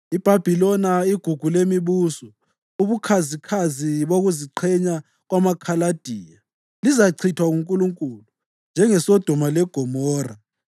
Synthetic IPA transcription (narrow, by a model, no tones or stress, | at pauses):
ib̥ʱab̥ʱilɔnaiɡ̥ʱuɡ̥ʱulemiβusɔ | uβukʰazikʰaziβoɣuziǃʰɛɲa | ɣwamakʰalad̥ʱiːja | lizaǀʰitʰwaɣuŋkʼuluŋkʼulu | nd͡ʒʱɛŋɛsɔd̥ʱɔmalɛɡ̥ʱɔmɔːra